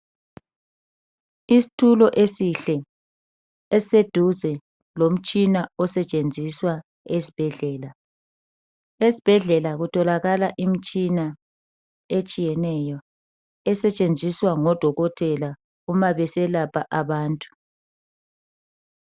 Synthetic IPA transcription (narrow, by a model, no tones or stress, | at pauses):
isi̥tʰulɔʔesiɬɛ | ɛsed̥ʱuzɛ | lom̩t͡ʃʼinaɔsɛt͡ʃʼend͡zʱiswa | esi̥b̥ʱɛɮɛːla | esi̥b̥ʱɛɮɛlaɣutʰɔlaɣalaʔimit͡ʃʼina | et͡ʃʼijɛnɛjɔ | ɛsɛt͡ʃʼend͡zʱiswaŋɔd̥ʱɔɣɔtʰɛla | umaβɛsɛlapʰaʔaβaːntʼu̥